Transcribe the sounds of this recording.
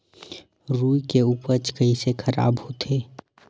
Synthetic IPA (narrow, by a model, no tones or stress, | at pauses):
ɾuːikeuːpəɾt͡ʃkəisekʰəɾa̰ːbhot̪ʰeː